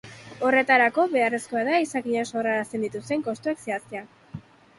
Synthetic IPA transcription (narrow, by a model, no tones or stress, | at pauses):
o̞re̞t̪aɾako̞βe̞areskoaðaisakiɲaso̞raɾast̪e̞nd̪it̪ust̪e̞ŋko̞st̪uekseast̪e̞a